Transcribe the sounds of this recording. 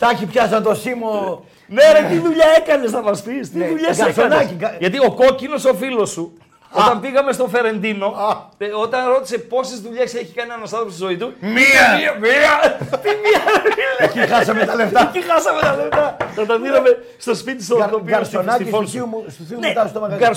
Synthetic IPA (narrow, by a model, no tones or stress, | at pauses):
t̪ɐkipçɐzɐt̪osimo | neɾɐt̪iðuʎɐekɐnesɐpɐspist̪iðuʎeskɐsonɐkiʝɐt̪̬io̞ko̞cino̞so̞filo̞su | ot̪ɐmpiɣɐme̞st̪o̞fe̞ɾe̞nd̪ino̞ot̪ɐ̃nɾot̪iseposizðuʎeseçi̥kɐnɐnost̪ɐðopost̪uzoit̪umiɐiɐmiɐt̪imiɐɾkiʁasɐmet̪ɐleakiɣasɐmẽt̪ɐlet̪ɐt̪ɐt̪ɐðiɾɐme | st̪ospit̪isot̪opiɡɐɾsonakifonsimust̪usinɛt̪ast̪omɐɡɐɾ